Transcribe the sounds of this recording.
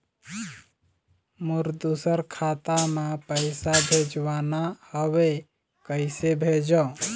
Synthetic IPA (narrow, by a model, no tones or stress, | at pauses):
muɾd̪usəɾkʰat̪amepəɪsabʱed͡ʒwanahəwe | kəɪsebʱed͡ʒɔ